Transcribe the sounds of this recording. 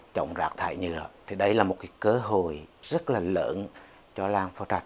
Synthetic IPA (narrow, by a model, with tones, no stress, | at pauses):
t͡ɕə̰˧˨wŋ͡mzaː˨˩k̚t̪ʰa̰ː˧˨jɲɨ̰˧˩ət̪ʰi˨˩ɗə˧jlaː˨˩mo˨˩t̚kaː˨˦kəː˨˧˦ɦo˨˩˨jz̥ə˦˥t̚laː˨˩lə̰ː˧˥n | t͡ɕɔ˧laː˧ŋfɔ˧˦t͡ɕa˨˩t̚